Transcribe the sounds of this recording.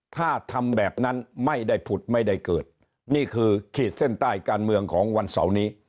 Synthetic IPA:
t̪ʰaː˥˩t̪ʰa˧mbɛː˨˩p̚na˦˥nma˥˩jda˥˩jpʰu˨˩t̪̚ma˥˩jda˥˩jkɤː˨˩t̪̚ | niː˥˩kʰɯː˧kʰiː˨˩t̪̚se˥˩nt̪aː˥˩jkaː˧nmɯ˧əŋkʰɔː˩˦ŋwa˧nsa̰˩˦wniː˦˥

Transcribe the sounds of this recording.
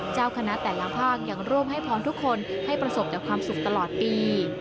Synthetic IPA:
t͡ɕaː˥˩wkʰa˧na˦˥ʔt̪ɛː˨˩la˨˦˥pʰaː˥˩k̚ja˨˩ŋɾuː˥˩mɦa˥˩jpʰɔː˨˦˥nt̪ʰu˦˥kʰːo˧nha˥˩jpɾa˧so˨˩p̚t͡ɕaː˨˩kʰwaː˧msu˨˩k̚t̪a˧lɔː˨˩t̪̚piː˧

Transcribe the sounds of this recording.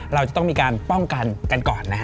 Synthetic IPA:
ɾa˧wt͡ɕa˨˩t̪ɔ˥˩ŋmiː˧kaː˧npɔ˥˩ŋka˧nka˧nkɔː˨˩nːa˦˥k

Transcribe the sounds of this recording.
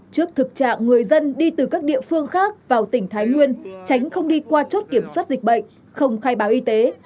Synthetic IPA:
t͡ɕɨ˦˥ək̚t̪ʰɨ˨˩k̚t͡ɕa̰ː˧˨ŋŋɨ˨˩əjzə˧nɗi˧t̪ɨ˨˩kaː˦˥k̚ɗḭ˧˨əfɨ˧əŋxaː˦˥k̚vaː˨˩wt̪ï˧˩ŋ̟t̪ʰaː˨˦jŋwi˧ənt͡ɕa˨˦jŋ̟xə˧wŋ͡mɗi˧kwaː˧t͡ɕo˦˥t̚ki˧˩əmswa˦˥t̚zï˨˩k̟̚ɓə̰˧˨jŋ̟ | xə˧wŋ͡mxaː˧jɓaː˨˦wʔi˧t̪e˨˦

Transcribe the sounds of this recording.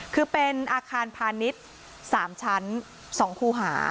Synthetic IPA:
kʰɯː˧pe˧nʔaː˧kʰaː˧npʰaː˧ni˦˥t̪̚ | saː˩˦mt͡ɕʰa˦˥n | sɔː˩˦ŋkʰuː˧˩ɦa̰ː˩˦

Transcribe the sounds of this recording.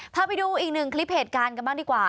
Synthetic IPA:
pʰaː˧pa˧jduː˧ʔiː˨˩k̚nɯ˨˩ŋkʰli˦˥p̚heː˨˩t̪̚kaː˧nka˧nbaː˥˩ŋdiː˧˩kwaː˨˩

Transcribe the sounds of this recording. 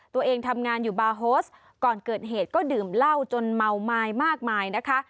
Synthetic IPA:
t̪u˧əʔeː˧ŋt̪ʰa˧mŋaː˧njuː˨˩baː˧ɦoː˦˥s | kɔː˨˩nkɤː˨˩t̪̚ɦeː˨˩t̪̚kɔː˥˩dɯː˨˩mla˥˩wt͡ɕo˧nma˧wmaː˧jmaː˥˩k̚maː˧jna˦˥kʰa˦˥ʔ

